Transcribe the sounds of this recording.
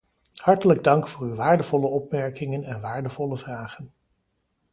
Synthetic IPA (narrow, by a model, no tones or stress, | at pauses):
hɑɹtələɡ̚dɑŋkfʊːryʋaːɹdəv̥ɔləɔp̚mɛɹkɪŋənɛnʋaːɹdəvɔləvraːχən